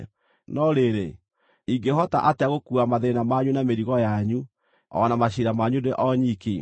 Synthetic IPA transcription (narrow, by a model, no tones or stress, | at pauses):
nɔɾeɾe | iŋɡeɦɔta̰ʔateaɣokuamaðeɾenamaɲunameɾiɣɔjaɲu | ɔ̰namaɕiɾamaɲudeʔɔɲiki